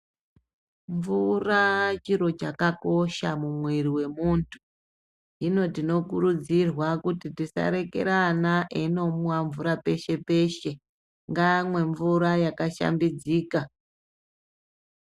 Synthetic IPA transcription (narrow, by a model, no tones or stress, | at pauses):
ɱvurat͡ʃiɾo̞t͡ʃakako̞ʃamumweriwe̞muntʰu̥ | ino̞tino̞kuɾud͡zirwakutitisa̰ɾe̞ke̞̰ɾanaʔeno̞muwaɱvuɾape̞ʃe̞pe̞ʃe̞ | ŋɡamwe̞ɱvuɾajakaʃa̰mbid͡ziːka